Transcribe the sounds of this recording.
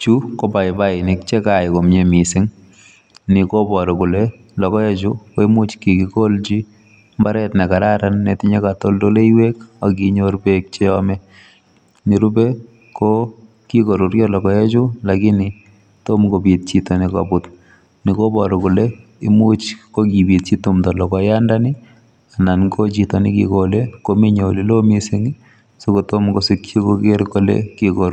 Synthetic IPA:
t͡ʃu˦ko˦pa˨ɪba˦ɪ˨nɪ˨kt͡ʃe˦kako˨mɲe˨mi˨sɪ˦ŋ | nɪ˨ko˦bɔ˨ɾɔ˨ku˨le˦ | lɔ˨kɔ˦je˦t͡ʃʊko˦i˦mu˦t͡ʃki˨ki˨ko˦lt͡ʃi˦ | mbaɾɛtnɛ˨ka˨ɾa˦ɾanːɛtɪ˦ɲe˦kato˦ldo˦le˦iwe˦ka˨k̬iɲo˦ɾbek̚t͡ʃɛ˦ɔmɛ˦ | ni˨ɾu˦be | ko | ki˦ko˨ɾu˨ɾjɔ˦lɔ˨kɔ˨jɛ˦t͡ʃʊ˦lakɪ˦nɪ˨ | to˦mko˨bi˨t̚t͡ʃi˦tɔ˨nɪ˨ka̰˨bʊ˦t | nɪ˨ko˦bɔ˨ɾɔ˨kʊ˨le˦ | ɪ˦mu˦t͡ʃko˦ki˨bi˨t̚t͡ʃi˦tu˨mtɔ˨lɔ˨kɔ˨ja˦ndanɪ˦ | a˨na˨nko˦t͡ʃi˨tɔ˨nɪ̰˦kḭ˨kole˦ko˦mi˦ɲo˨li˦lo˦mi˦sɪ˦ŋi˦ | so˦ko˨to˦mko˨sɪ˨kt͡ʃi˦ko˦ke˦ɾko˦lḛkiko˨ɾ

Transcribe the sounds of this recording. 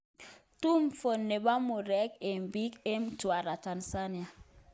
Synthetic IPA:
tu˦mfo˨nːe˨ba˦mu˨ɾɛ˦ke˨mbi˦ke˦mtu˨a˨ɾa˨ta˨nsa˦ni˨a˨

